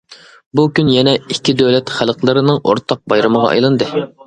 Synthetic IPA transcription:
bukʲynjɛnɛikʲʰːid̪øwlɛt̪χælˠqlˠɨɾɨnɨŋʔo̰ɾt̪ʰɑq̚bɑjɾɨməʁɑ̰ɑ̰jlˠɨnd̪ɨ

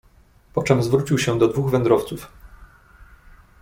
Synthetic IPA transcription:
pɔt͡ʂɛmzvɾut͡ɕiwɕɛd̪ɔd̪vuɣvɛnd̪ɾɔft̪suf

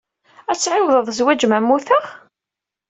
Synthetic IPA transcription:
æt͡sːʕɪwðˤəðˤzwæd͡ʒmæmːuθəʁ

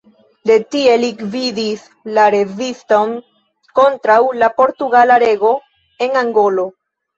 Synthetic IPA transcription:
de̞tie̞likvidis | laɾe̞visto̞n | ko̞ntɾawlapo̞ɾtuɡalaɾe̞ɡo̞ | e̞naŋɡo̞lo̞

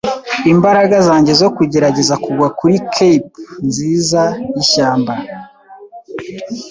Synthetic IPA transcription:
imbaɾaɡazaːɲɟe̞zo̞kuɟe̞ɾaɟe̞zakuɡwakuɾikʰepnziːzaiʃaːmba

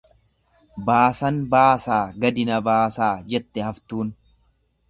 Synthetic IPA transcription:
baːsɐnbaːsaːɡɐd̪ɪnɐbaːsaːd͡ʒɛt̪ːɛhɐft̪uːn

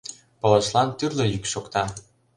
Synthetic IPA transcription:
polɤ̆ʃlɑnt̪yrlĕjykʃokt̪ɑ

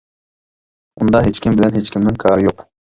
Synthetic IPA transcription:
und̪ɑɦet͡ʃkʲimbɪlɛnɦet͡ʃkʲimnɪŋkʰɑːɾɨjoq

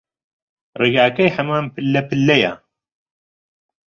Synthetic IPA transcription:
reɡaːkɐjħɐmaːmpɨlːɛpɨlːɛja̰

